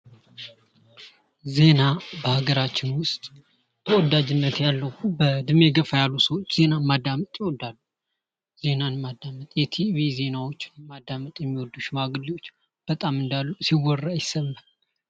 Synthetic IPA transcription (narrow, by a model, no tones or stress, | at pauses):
ze̞nabəhaɡəɾat͡ʃːɪnwʊst̪ʼ | t̪ʰəwɔd̪ad͡ʒɪnːət̪jalːəwbəd̪ɨme̞ɡəfajalːusəwot͡ʃːz̥e̞namad̪ːamət̪ʼjɛwɔd̪ːalːu | ze̞nanmad̪ːamət̪ʼjɛt̪ʰiβize̞nawo̞t͡ʃːɪnmad̪ːamət̪ʼjɛmːiwɔd̪ːuʃmaɡɨliwot͡ʃː | b̥ət̪ʼamɨnd̪alːusiwɔrːajɪsəmːa